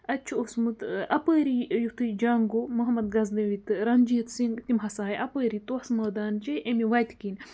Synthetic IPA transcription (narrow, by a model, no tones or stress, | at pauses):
ɐt͡ʃʰuosmut̪ɐpəːɾijut̪ɨd͡ʒaːŋɡomɐɦɐmɐd̪̚ɡɐzd̪ɐʋit̪ɨɾɐnd͡ʒit̪siŋɡt̪imɦɐsaːjʔɐpəːɾit̪oɐsmɐːd̪aːnt͡ʃeʔemiwɐjt̪kin